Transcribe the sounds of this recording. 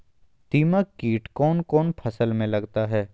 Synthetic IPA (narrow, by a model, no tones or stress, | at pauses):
t̪iːmaːiːʈkɔːnkɔːnpʰɐsəlmẽlɐɡt̪aɦɛː